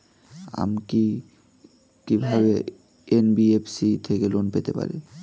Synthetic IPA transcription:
a̰mki | kibʱabɛ | enbiepʰsit̪ʰekɛlonpɛt̪ɛpa̰ɹɛ̰

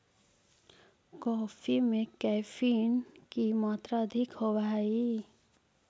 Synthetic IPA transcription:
kɔːfʰimẽkɛːfʰiːnkimaːt̪ɾaəd̪ʱɪkɦoʋai

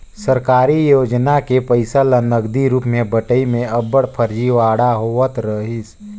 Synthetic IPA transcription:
səɾkaːɾijoːd͡ʒnakepəɪsalənəɡd̪iɾuːpmẽbəʈəimẽəbəɽpʰəɾd͡ʒiʋaːɽaɦoət̪ɾəɦis

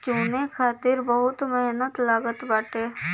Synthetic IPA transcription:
t͡ʃuːnekʰaːt̪ɪɾbəɦʊt̪meɦnət̪laːɡət̪baːʈeː

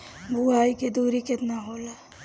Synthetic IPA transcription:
buɦaːiked̪uːɾikɪt̪naɦoːlaː

